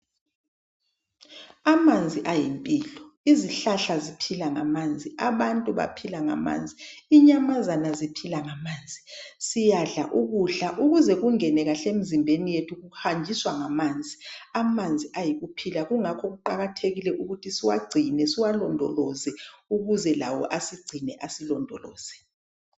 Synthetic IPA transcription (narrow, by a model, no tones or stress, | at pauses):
amand͡zʱiʔajimpʼiːlɔ | iziɬaɬazipʰilaŋamand͡zʱiʔaβantʼuβa̰pʰilaŋa̰ma̰ːnd͡zʱiiɲamazanazipʰilaŋamaːnd͡zʱisijaɮa̰ʔuɣuɬaʔuɣuzɛɣuŋɛnɛɣaɬemizimbʱenijetʰuɣuhand͡ʒʱiswaŋamand͡zʱiamand͡zʱiʔajiɣupʰilaɣuŋakʰɔɣuǃaɣatʰeɣilɛʔuɣutʰisiwa̰ɡ͡ǀʱinɛsiwalɔndʱɔlɔzɛuɣuzɛla̰wɔ̰ʔasiɡ͡ǀʱinɛʔasilɔndʱɔlɔ̰ːz̥ɛ